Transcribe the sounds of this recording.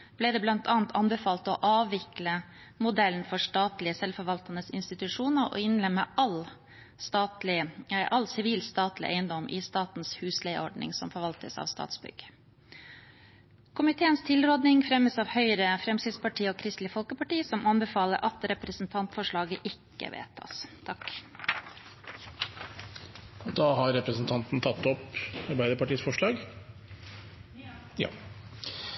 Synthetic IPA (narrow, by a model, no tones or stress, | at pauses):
b̥lɛːd̪ɛːblɑnt̪ʰɑːnt̪ʰɑnbɛfɑːlt̪ɔʔɑːʋːɪklə | mʊd̪ɛlənfɔʂʈɑːt̪lɪəsɛlfɔɾʋɑlt̪ɑnəsɪ̰nst̪ɪt̪ʉʂuːnəɾɔ̰ɪnlɛmːəɑl | st̪ɑːt̪lɪʔɑlsɪʋiːlst̪ɑːt̪lɪ̰ʔæɪənd̪ɔmʔɪst̪ɑːt̪nshʉːslæɪʔɔ̰ɖɳɪ̰ŋsɔ̰mfɔɾʋɑlt̪ə̰sɑ̰ʋst̪ɑ̰ːt̪sbʏ̰ɡ̥ | kʰʊmɪt̪ʰeːənst̪ʰɪlɾoːd̪nɪŋfɾɛməsɑːʋhœʏɾəfɾɛmsɪd̪spɑʈʰiːoːkʰɾɪst̪lɪfɔlkəpɑʈiːsɔmʔɑnbəfɑːləɾʔɑt̪ɾɛpɾəsn̩t̪ʰɑnt̪fɔʂɭɑːɡəʔɪkːə̰ʋḛːt̪ʰːɑ̰st̪ʰɑk | ɔd̪ɑːɦɑɾɛpɾəsn̩t̪ʰɑnt̪n̩t̪ʰɑt̪ːɔpɑɾbæɪd̪əɾpɑʈiːsfɔʂɭɑːɡ | jɑ̰ː